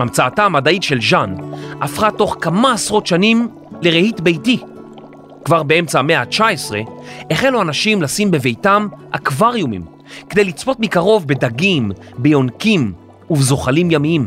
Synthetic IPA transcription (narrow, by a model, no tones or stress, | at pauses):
amt͡saːtamadaitʃe̞lʒanafʁato̞χkamaːsʁo̞tʃanim | le̞ʁehitbe̞jti | kvaʁbe̞e̞mt͡same̞at͡ʃaesʁe̞eχeluanaʃimlasimbeve̞jtamha̰kvaʁjumḭm | kedejlit͡spo̞tmikaʁo̞vbe̞daɡim | bejo̞nkim | uvzo̞χalimjamiim